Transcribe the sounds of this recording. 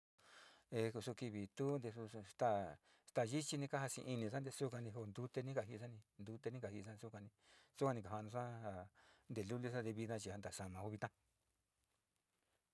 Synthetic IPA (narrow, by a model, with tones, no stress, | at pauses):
e˧ku˧su˧ki˧βi˨t̪u˦nd̪e˧su˧st̪a˦˧ | st̪a˧˨ʒi˦t͡ʃi˧nĩ˧ka˦ɦa˧sḭ̃˧ʔi˧nĩ˧sa˦nd̪e˧su˦ka˧nĩ˧ɦo˧˨nd̪u˧t̪e˧nĩ˦ka˨ɦi˧a˦nĩ˧nd̪u˧t̪e˧nĩ˦ka˨hi˧sa˦n˧su˦kã˧nĩ˧su˦ka˧nĩ˧ka˨a˧nũ˧sa˦ha˧nd̪e˨lu˦li˧sa˦nd̪e˧βi˧ã˧t͡ʃi˧a˧nd̪a˨ʂa˧˨mã˨u˧βi˧t̪ã˦